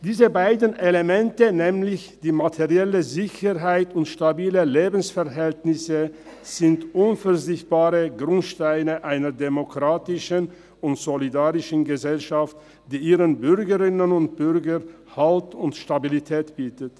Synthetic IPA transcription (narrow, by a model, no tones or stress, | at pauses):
d̥iːzəbaɪdən̩ʔelemɛntənɛːmlɪçd̥iːmatʰeʁiɛləzɪçəʁɦaɪtʊntʃtabiːləleːbn̩sfɛɐɦɛltnɪsə | z̥ɪntʔʊnfɛɐzɪçt̚b̥aːʁəɡʁʊntʃtaɪnəʔaɪnɐdemokʁ̥aːtɪʃən | ʊntz̥olidaːʁɪʃən̩ɡəzɛlʃaft | d̥iːʔiːʁənbʏʁɡəʁɪnənʊnt̚b̥ʏɾɡə | haltʊntʃtabilitʰɛːtb̥iːtət